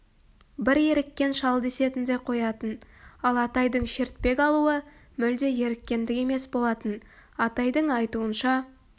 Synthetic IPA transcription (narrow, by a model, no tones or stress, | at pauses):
bɪɾje̞ɾɪkʲːe̞nʃɑlˠd̪e̞se̞t̪ɪnd̪e̞qʰo̞jɑt̪ənɑlˠɑt̪ɑjd̪əɴʃe̞ɾt̪̚pe̞kʲɑlˠuə | mʏld̪e̞je̞ɾɪkʲːe̞nd̪ɪkʲe̞me̞sbo̞lˠɑt̪ən | ɑt̪ɑjd̪əɴɑjt̪uənʃɑ